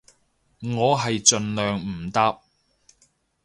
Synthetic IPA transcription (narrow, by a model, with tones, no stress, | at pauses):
ŋɔː˨˧ɦɐ˨jt͡ʃɵ˧nlœː˨ŋm̩˨˩t̪ɐ˥p̚